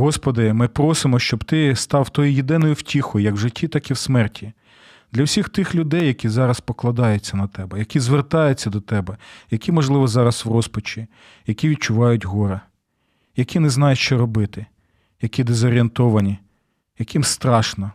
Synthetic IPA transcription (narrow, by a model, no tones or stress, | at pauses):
ɦɔspɔd̪ɪmɪpɾɔsɪmɔʃt͡ʃɔbt̪ɪst̪ɑwt̪ɔjijed̪ɪnɔjʊwtʲixɔjʊjɐkwʒɪtʲːit̪ɑkiwsmɛrtʲi | d̪lʲɐwsʲixt̪ɪxlʲʊd̪ɛjːɐkʲizɑɾɐspɔklˠɐd̪ɑjʊt͡sʲːɐnɐt̪ɛbɛjɐkʲizʋert̪ɑjʊt͡sʲːɐd̪ɔt̪ɛbɛjɐkʲimɔʒlˠɪʋɔzɑɾɐswrɔspɔt͡ʃʲi | jɐkʲiʋʲid̪̚t͡ʃʊʋɑjʊtʲɦɔɾɐ | jɐkʲinɛznɑjɛʃt͡ʃɛɾɔbɪt̪ɪ | jɐkʲid̪ezɔɾʲient̪ɔʋɐnʲi | jɐkɪmst̪ɾɑʃnɔ